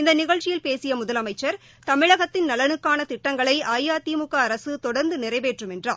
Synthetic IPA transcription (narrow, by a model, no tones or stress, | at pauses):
ɪnd̪ɐnɪɣɐɭt͡ʃɪjɪlpeːsɪjɐmʊðɐlɐmɐɪt͡ʃːɐɾ | t̪ɐmɪɻɐɣɐt̪ːɪnnɐlɐnɯkːaːnɐt̪ɪʈːɐŋɡɐɭɐɪʔaːjaːt̪iːmʊkːɐːɾɐsɯt̪ɔɽɐɾnd̪ɯnɪrɐɪʋeːʈrɯmɛndra̰ː